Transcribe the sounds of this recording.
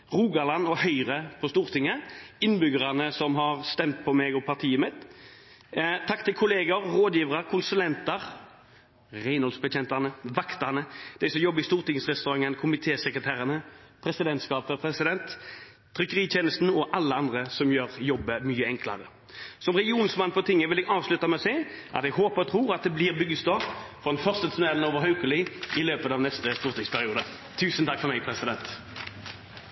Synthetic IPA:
ʁuːɡɑlɑnːɔhœʏɾəpʰɔst̪uːʁt̪ɪŋːəɪnbʏɡəʁɑnəsɔmɦɑʁst̪ɛmt̪̚pʰɔmɛɡɔpʰɑʁt̪ʰiːəmɪt̪ | t̪ʰɑkt̪ʰɪlkʰʊleːɡəɾːoːd̪jiːʋəʁɑɾkʰʊnsʉlɛnt̪əɾ | ʁæɪnhɔlsbətɛnt̪ɑnəʋɑkt̪ɑnəd̪̥æɪsɔmjɔbːəɪst̪uːɾt̪ɪŋsʁɛst̪ʉɾɑŋːənkʰʊmɪt̪ʰeːsɛkɾət̪ʰæːɾənəpʰɾɛsɪd̪ɛnt̪skɑːpəpʰɾɛsɪd̪ɛnt̪ʰː | ɾʏkːəʁiːt̪ʰeːnəst̪n̩ɔʔɑlːəɑnd̪ʁəsɔmjøːʁjɔbːəmyːəɛŋklɑ̰ʁə | sɔmʁɛɡɪuːnsmɑnpʰɔt̪ʰɪŋːəʋɪlɛɡɑːʋslʉt̪ɑmɛɔsɛɪʔɑ̰t̪ɛɡɦoːpəʁɔt̪ʰɾuːʁɑt̪̚d̪ɛblɪːʁbʏɡːəst̪ɔpfɔd̪ɛnfœʁst̪ət̪ʰʉnɛːln̩oːʋəʁɦɑʉkəlɪɪløːpət̪ɑːʋnɛst̪əst̪uːʁt̪ɪŋspʰæʁɪuːd̪ə | t̪ʰːʉːsənt̪ʰɑkːfɔʁmɛɪpʰʁɛsɪd̪ɛnt̪

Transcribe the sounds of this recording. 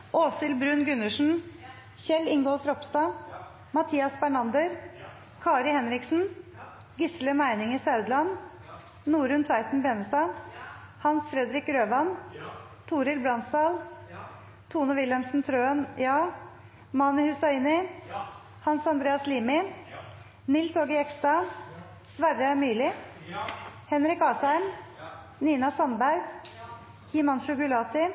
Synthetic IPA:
ʔoːsɪlbɾʉːnɡʉnːəʂn̩ | çɛlːɪŋɡɔlfɾɔpst̪ɑ | mɑt̪ʰiːɑsbæɳɑnd̪əɾ | kʰɑːɾɪhɛnɾɪksn̩ | ɡɪsləmæɪnɪŋisɑʉd̪lɑn | nuːɾʉnt̪ʰʋæɪt̪n̩bɛnəst̪ɑ | hɑnsfɾɛd̪ɾɪkɾøːʋɑn | t̪ʰuːɾɪlbɾɑnst̪ɑːl | t̪ʰuːnəʋɪlɛmsn̩t̪ʰɾøːənjɑː | mɑnəhʉsɑiːnɪ | hɑnsɑnd̪ɾeːɑsliːmɪ | nɪlsoːɡəɛkst̪ɑ | sʋæɾəmyːlɪ | hɛnɾɪkɑːsæɪm | niːnɑsɑnbæɾɡ | hiːmɑnʃʊkʊlɑːt̪ɪ

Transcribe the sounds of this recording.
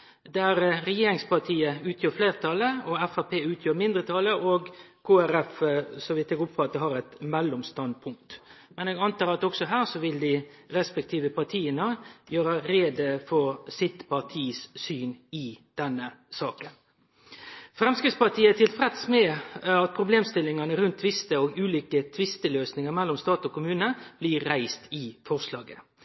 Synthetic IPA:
d̪æɾɾɛjeːɾɪŋspɑt̪ʰiːəʉːt̪ʰjøːɾfleːʁt̪ʰɑləɔɛfæpʰeːʉːt̪ʰjøːɾmɪnd̪ɾət̪ʰɑləʔɔɡkʰoːæɾɛfsɔʋɪt̪ːɛːɡʊpfɑt̪ːəhɑɾɛt̪mɛlːʊmst̪ɑnd̪̚pʰʊŋk̚t̪mɛnɛːɡɑnt̪ɑːɾɑt̪ɔksɔɦæːɾsɔʋɪld̪ɪɾɛspɛk̚t̪ʰiːʋəpɑʁt̪ʰiːənəjøːɾəɾeːd̪əfɔɾsɪt̪pʰɑt̪ʰiːssyːnɪd̪̥ɛnːəsɑːkən | fɾɛmskɾɪt̪spɑt̪ʰiːəæt̪ʰɪlfʁɛt̪smɛɑt̪̚pʰɾʊbleːmst̪ɪlːɪŋɑnəɾʉnt̪ʰːʋɪst̪əoːɡʉːliːkət̪ʰʋɪst̪əløːsnɪŋəɾmɛlːɔmst̪ɑːt̪ɔkʊmʉːnəb̥liɾːæɪst̪ɪfɔʁʂlɑ̰ːɡə

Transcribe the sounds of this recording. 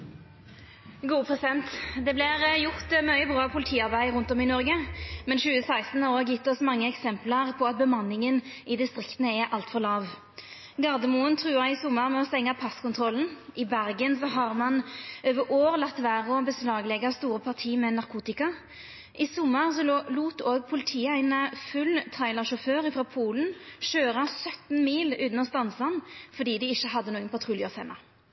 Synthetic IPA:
ɡuːpʰʁɛsɪd̪ɛnt̪d̪ɛblɪʁjʊʁt̪mœʏəbʁɑːpʰʊlɪt̪ʰiːɑʁbæɪʁʉnt̪ɔmɪnɔʁɡəmɛnʃʉːəsæɪst̪n̩ɑʁoːjɪt̪ːɔsmɑŋːəɛksɛmpləʁpʰɔɑt̪̚bəmɑnːɪŋən | ɪd̪ɪst̪ʁɾɪkt̪ənəɛʔɑlt̪fɔʁlɑːʋ | ɡɑʁd̪əmuənt̪ʰʁʉːɑɪsʊmːəʁmɛɔst̪ɛŋːɑpʰɑskʊnt̪ʰʁɔln̩ʔɪbæʁɡənsɔɦɑʁmɑnøːʋəʔoːʁlɑt̪ːʋæːʁəɔbəslɑːɡlɛɡɑst̪uːʁəpʰɑʁt̪ʰiːmɛnɑʁkʰuːt̪ɪkɑ | ʔɪsʊmːəʁsɔluːt̪oːɡ̚pʰʊlɪt̪ʰiːæɪnəfʉlt̪ʰæɪlɑʁʃʊføːʁɪfʁɑːpʰuːln̩ʃøːʁɑsœt̪n̩miːlʉːn̩ɔst̪ɑnsɑnfɔʁd̪iːd̪ɪɪçːəɦɑd̪ːənuːɡənpʰɑt̪ʰʁuːljəfɛmʔɑ

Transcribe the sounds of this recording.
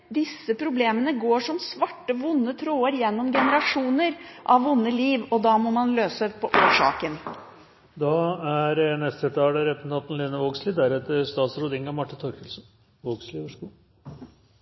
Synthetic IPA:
d̪ɪsːəpʰɾʊbleːmənəɡoːʂɔmsʋɑʈːəʋʊnːət̪ʰɾoːəɾjɛnːɔmɡɛnəɾɑʂuːnəɾʔɑʋːʊnːəliːʋɔd̪ɑːmɔmɑnløːsəpʰɔʔoːʂɑ̰ːkən | d̪ɑæɾnɛst̪ət̪ʰɑːləɾɛpn̩ɑt̪n̩lɪnəʋoːɡsliːd̪æɾɛt̪əɾst̪ɑːt̪sɾʊd̪ɪŋɑmɑʈːɪnt̪ʰɔɾkʰəlsn | ʋoːɡsliʋəʂku

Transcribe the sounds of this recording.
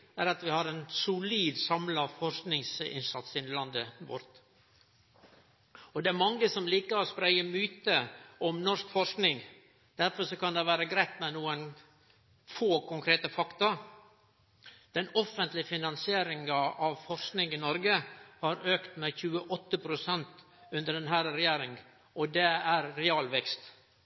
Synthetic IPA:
æɾɑt̪ʋɪhɑɾɛnsʊliːd̪sɑmlɑfɔɾknɪŋsɪ̰nsɑt̪sɪnlɑnd̪əʋɔ̰ɾt̪ | ɔd̪ɛæɾmɑŋːəsɔmliːkəɾɔspɾæɪəmyːt̪əɔmnɔʂkfɔɾʂknɪŋ | d̪̥æɾfɔʂɔkɑnd̪ɛʋæːɾəɡɾæɪt̪mɛnuːən | foːkʊŋkʰɾeːt̪əfɑkt̪ɑ | d̪̥ɛnɔfənt̪lɪfɪnɑnsɪeːɾɪŋəʔɑʋfɔɾʂknɪŋɪnɔɾɡəhɑɾøːkt̪mɛçʉːəʔɔt̪ːəpʰɾʊsɛnt̪ | ʉnd̪əɖɛnɦæːɾəɾɛjeːɾɪŋ | ɔd̪ɛæɾːɛɑːlʋɛkst̪

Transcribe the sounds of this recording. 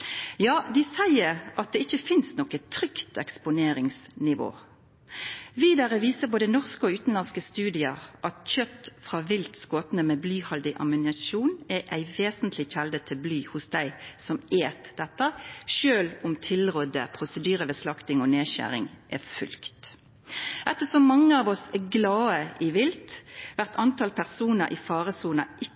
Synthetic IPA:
jɑːd̪ɪsæɪəɾɑt̪̚d̪ɛɪçəfɪnsnɔkət̪ʰːʁʏkt̪ɛkspʊneːɾɪŋsnɪʋo̰ː | ʋiːd̪ɑʁɛʋiːsəboːd̪ənɔʁskəɔʉːt̪n̩lɑnskəst̪ʉːd̪ɪəʔɑt̪çœt̪ːfʁɑːʋɪlt̪skoːt̪nəmɛːblyːhɑld̪ɪʔɑ̰mʉnɪɑʃuːnɛʔæɪʋeːsənt̪lɪçɛld̪ət̪ʰɪlblyːhʊsd̪æɪsɔmeːt̪d̪ɛt̪ːəʃøːlʊmt̪ʰɪlʁɔd̪ə̰pʰʁʊsəd̪yːʁəʋɛslɑkt̪ɪŋɔneːɕæ̰ʁɪ̰ŋʔɛfʉ̰lkt̪ | ʔɛt̪ːəsɔmːɑŋːəɑːʋɔsɛɡlɑːəʔɪʋɪlt̪ʋæʁt̪ʰɑnt̪ʰɑlpʰæʁsuːnəɾʔɪ̰fɑːʁəsuːnəʔɪ

